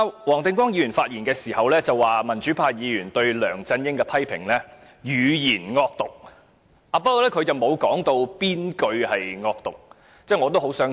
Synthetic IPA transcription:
a˧wɔː˨˩ŋt̪ɪ˧ŋkwɔː˥ŋji˨˧jyː˨˩nfaː˧t̚jiː˨˩nkɛː˧siː˨˩hɐ˨wlɛː˥t͡sɐ˨wːaː˨mɐ˨˩nt͡ʃyː˨˥pʰaː˧jiː˨˧jyː˨˩nt̪ɵ˧ɥlœː˨˩ŋt͡sɐ˧njɪ˥ŋkɛ˧pʰɐ˥jpʰɪ˨˩ŋlɛː˥ | jyː˨˧jiː˨˩nŋɔː˧k̚t̪ʊ˨˩k̚ | ʔaː˨˧pɐ˥kɔː˨wlɛː˥kʰɵ˨˧t͡sɐ˨˩wmo˨˧wkɔː˨˥ŋt̪o˧wpiː˥nkɵ˧ɥhɐ˨jŋɔː˧k̚t̪ʊ˨k̚ | t͡sɛː˥˩ŋɔː˨˧t̪o˥who˨˥wsœː˨˥

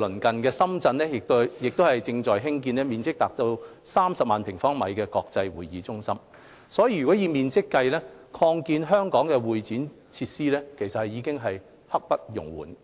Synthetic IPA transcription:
lɵ˨˩nkɐ˨˩nkɛː˧sɐ˥mt͡sɐ˧nlɛː˥jɪ˨k̚t̪jɪ˨k̚t̪o˥hɐ˨jt͡sɪ˧ŋt͡ʃɔː˨˩jɦɪ˥ŋk̬iː˧nlɛ˥miː˨nt͡sɪ˥k̚t̪aː˨k̚t̪o˧w | saː˥msɐ˨p̚maː˨npʰɪ˨˩ŋfɔː˥ŋmɐ̰˨˧jkɛː˧kɔː˧k̚t͡sɐ˧jwuː˨˩jiː˨˧t͡sʊ˥ŋsɐ˥m | sɔː˨˥jiː˧˩jy˨kɔ˨˥jiː˨˧miː˨nt͡sɪ˥kːɐ˧jlɛː˥kʰɔː˧ŋkiː˧nɦœː˥ŋkɔː˨˥ŋkɛ˧wuː˨jt͡siː˨˥n | t͡sʰiː˧t̚siː˥lɛː˥kʰe˨˩jsɐ˨t̚hɐ˨˩jiː˨˧˥kɪ˥ŋɦɐ˨j | hɐ˥k̚pɐ˥t̚jʊ̰˨˩ŋwṵː˨˩n

